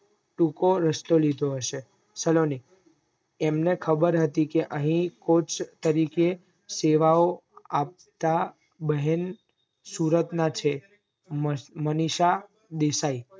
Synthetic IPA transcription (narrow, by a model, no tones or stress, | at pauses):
ʈũkoɾəst̪olid̪ʱoɦəʃe | səloni | emnekʰəbəɾɦət̪ikeʔəɦĩkot͡ʃʰt̪əɾike | seʋaoap̚ | t̪a | bəɦən | suɾət̪nat͡ʃʰe | məniʃa | d̪esai